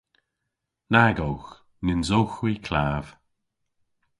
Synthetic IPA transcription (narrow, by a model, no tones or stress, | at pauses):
naɡowx | nɪnzowxwikʰlaːv̥